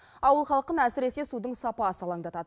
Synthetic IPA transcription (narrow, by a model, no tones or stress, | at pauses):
ɑwəlˠχɑlˠəqːənæsɪɾe̞se̞sud̪əɴsɑpɑsəlˠɑŋd̪ɑt̪ɑd̪ə